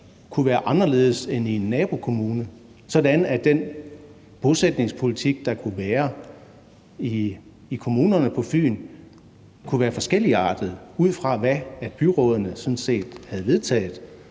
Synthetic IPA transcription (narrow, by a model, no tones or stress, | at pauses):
kʰuʋæːɐʔɑ̈nɐle̝ːð̞̩ˠsenienːɛːb̥o̝kʰo̝muːnə | sɒ̽d̥ænæd̥en | b̥o̝sed̥ne̝ŋspʰo̝lit͡sʰiɡ̥̚d̥ɑ̈kʰuʋæːɐ | iː | kʰo̝muːnɐnəpʰɒ̽fy̰ːn | kʰuʋæːɐfɒ̽sɡ̥el̰iɑ̰̈ːd̥ð̩ˠuð̰ˠfʁɑ̈ʋæ̥ːb̥yʁɔ̽ːð̞ˠɐnəsɒ̽nse̝̰ːd̥hæð̞̩ˠʋe̝ð̞ˠt͡sʰɛ̰ːð̩ˠ